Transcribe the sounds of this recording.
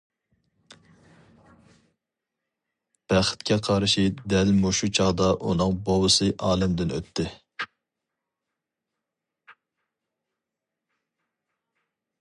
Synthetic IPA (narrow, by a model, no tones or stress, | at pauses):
b̥æχɪ̥t̪kʲɛqʰɑɾʃid̪ɛlmuʃut͡ʃʰɑʁd̪ɑʔṵnɨŋbowɨsɨʔɑːlɛmd̪ɪnø̰t̪ʰːɪ